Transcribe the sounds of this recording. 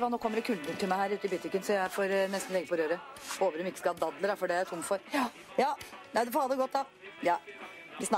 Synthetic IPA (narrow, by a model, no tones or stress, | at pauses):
ʋɑːnoːkʰɔmːəɖ̪ɛkʰʉld̪ənt̪ɪlmæɪhæːɾʉːt̪əɪbɪt̪ːɪkənsɔjæɪfoːɾnɛst̪n̩lɛɡːəpʰɔɾøːɾə | oːʋəɾɔmɪkːə̥skɑhɑːd̪ɑd̪ləd̪ɑfɔɖɛæɾjæt̪ʰʊmːfɔɾ | jɑːnæɪd̪ɛfɔhɑːd̪ɛɡɔt̪̚ːd̪ɑ | jɑː | ʋɪs